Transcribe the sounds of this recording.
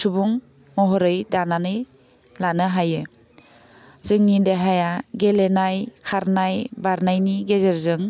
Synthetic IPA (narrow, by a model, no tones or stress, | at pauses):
subuŋ | mɔɦɔɾɯjdananɯj | lanɯɦajɯ | zɯŋnidaɦajaɡelenajkʰaɾnajbaɾnajniɡezeɾzɯŋ